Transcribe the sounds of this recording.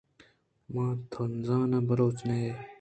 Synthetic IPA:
mãːt̪ʰonzãːnabɐɾoːt͡snee

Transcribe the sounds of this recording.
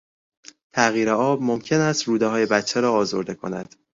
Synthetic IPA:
t̪ʰæɣiːɾeɒːbmomcʰe̞næst̪ɾuːd̪eɦɒːje̞bæt̪t͡ʃʰːeɾɒːɒːzoɾd̪e̞kʰo̞̰næ̰d̪̥

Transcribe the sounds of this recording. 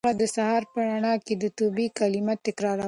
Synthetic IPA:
ad̪əsahɑɾpəɾaɳɑked̪ət̪obikalimat̪ːɪkɾɑɾa

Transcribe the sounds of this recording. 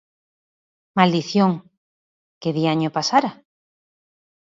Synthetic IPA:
mald̪iθjoŋ | keðiaɲopasaɾa

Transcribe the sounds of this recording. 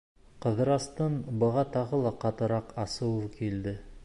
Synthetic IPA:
qɤ̆ðɤɾɑst̪ɤnbɤ̆ʁɑt̪ɑʁɤlˠɑqɑt̪ɤ̆ɾɑqɑsɤwkild̪ɘ

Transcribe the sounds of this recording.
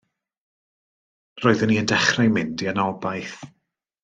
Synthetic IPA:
roːɨðəniəndɛχrajmɪndiənɔbajθ

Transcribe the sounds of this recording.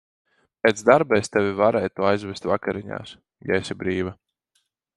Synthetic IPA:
pɛt̪zd̪aɾbɛst̪ɛvʲivaɾɛːjt̪uːajzvɛst̪vakaɾiɲa̰ːs | jaesʲibɾiːva

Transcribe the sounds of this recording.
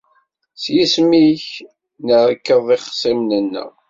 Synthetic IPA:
sjismiç | nəɾkːəðˤɪχsˤimnənːə̰

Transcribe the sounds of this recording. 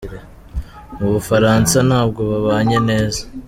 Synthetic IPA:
ɾe | uβufaɾaːnsanaːb̚ɡo̞βaβaːɲe̞ne̞ːzḁ

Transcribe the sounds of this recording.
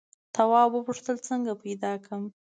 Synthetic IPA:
t̪awɑwəpuʂt̪əlt͡səŋɡapajd̪ɑkəm

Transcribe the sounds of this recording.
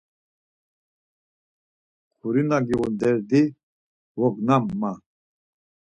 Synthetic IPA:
kʰuɾinaɡiʁund̪ɛɾd̪i | wɔknamːa

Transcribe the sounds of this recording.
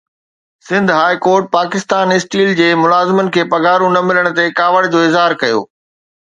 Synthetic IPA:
sɪ̃nd̪ʱɦaːikoːɾʈ̚paːkɪst̪aːnɪsʈiːld͡ʑeːmʊlaːzɪmənɪ̆kʰeːpɐɡaːɾũnɐmɪləɽ̃ʊ̆t̪ekaːʋəɽ̃d͡ʑoːɪzɦaːɾkɐjo̰ː

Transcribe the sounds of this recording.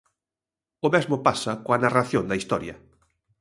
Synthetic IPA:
ʊmɛzmopasɐkoanaraθjond̪ɐist̪ɔɾjɐ

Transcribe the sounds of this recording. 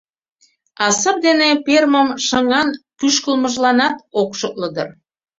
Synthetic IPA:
ɑsəp̚d̪eneperməmʃə̆ŋɑnkyʃkəlmə̆ʒlɑnɑt̪okʃək̚ləd̪ə̰r

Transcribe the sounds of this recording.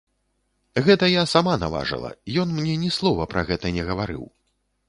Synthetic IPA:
ɣɛt̪ɐjasamanava̰ʐɨ̰lˠɐ̰jɔnmnʲɛnʲɛslˠɔvɐpɾɐɣɛt̪ɐnʲɛɣɐvaɾɨ̰w

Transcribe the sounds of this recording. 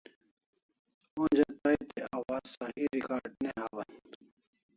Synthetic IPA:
oːnd͡ʑɐt̪ait̪eaːwaːzsahiɾikaːɖneɦaːwɐn

